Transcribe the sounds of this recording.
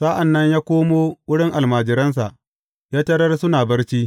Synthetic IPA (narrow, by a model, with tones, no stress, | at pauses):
sa˦ʔa˨nːɐ˦ɲjaː˦kʷoː˦moː˦wʊ˦ɽɪ˦ŋʔa˨lmaː˨d͡ʒɪ˨ɾɐ˦ns̬a˨ʔ | jaː˦tɐ˦ɽɐ˦rsʊ˦naː˨bɐ˦rt͡ʃiː˦